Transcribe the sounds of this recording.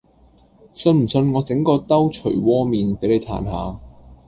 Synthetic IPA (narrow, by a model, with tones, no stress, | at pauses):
sɵ˧nm̩˨˩sɵ˧nŋɔː˨˧t͡sɪ˨˥ŋkɔː˧t̪ɐ˥wt͡ʃʰɵ˨˩jwɔː˥miː˨npe˨˥jle˨˧jt̪ʰa̰ː˨˩nha̰ː˨˧